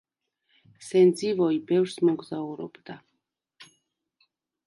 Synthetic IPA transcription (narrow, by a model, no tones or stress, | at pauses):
sɛnd̪zivɔibɛvɾsmɔɡzauɾɔ̰bd̪a